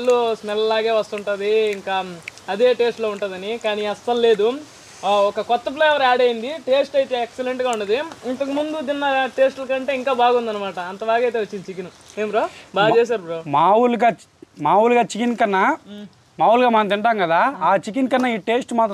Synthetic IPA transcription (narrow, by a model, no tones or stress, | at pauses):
lːusnɛllaːɡeːʋɐst̪uɳʈuːd̪iːŋkaːɐd̪eːʈe̞ːsʈloːuɳʈuːd̪ɐnikaːniːɐst̪ːɐlle̞ːd̪u | ɔkɐkɔt̪ːɐp̬leːjɐʋɐɾaːɖɐjind̪iʈe̞ːsʈɐjt̪eːekseleɳʈɡaːuɳɖɐnd̪iint̪ɐkɐmund̪ud̪inːɐʈeːsʈlɐkɐɳʈe̞ːiŋkaːbaːɡund̪ɐnːɐmaːʈɐɐnt̪ɐbaːɡɐjt̪e̞ːʋɐt͡ʃːind̪it͡ʃikinu | eːmbɾoːbaːt͡ʃɛːʃ̬aːɾbɾoːmaːwulɡaː | maːwuluɡaːt͡ʃikinkɐnːɐ | maːwulɡaːmaːnt̪̬iɳʈaːmɡɐd̪aːaːt͡ʃikinkɐnːɐiːʈe̞ːsʈmaːt̪ɐ